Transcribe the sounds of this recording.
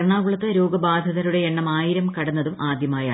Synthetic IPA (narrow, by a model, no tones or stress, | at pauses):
ɾɳaːɡuɭɐt̪ːɐɾo̞ːɡɐbaːd̪ʱɐðɐɾuɽe̞eɳːɐmaːjiɾɐmkɐɽɐnːɐðumʔaːd̪ʱjɐmaːja̰ː